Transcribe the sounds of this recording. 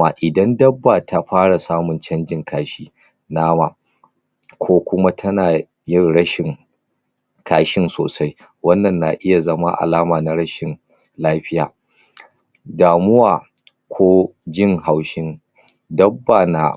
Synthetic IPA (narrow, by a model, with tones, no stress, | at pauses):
ma˨ʔɪ˨dɐ˦ndɐ˦bːa˨tʰa˦ɸaː˦ɽa˨saː˦mʊ˨nt͡ʃɐ˦nd͡ʒɪ˦ŋkaː˦ʃiː˦ | naː˦ma̰ː˨ | kʷʰoː˦kʷʊ˦ma˦tʰɐ˦naː˨ | jɪ˦rɽɐ˦ʃɪ˨ŋ | kʰaː˦ʃɪ˦nsoː˨sa˦j | wɐ˦nːɐ˨nːa̰˨ʔɪ˦ja˨zɐ˦ma˦ʔa̰˨laː˦maː˨na˨ɾɐ˦ʃɪ˨n | laː˦ɸɪ˦ja̰ː˨ | daː˨mʊ˦waː˨ | kʷʰoː˦d͡ʒɪ˦ŋha˨wʃɪ˦n | dɐ˦bːa˨na̰˨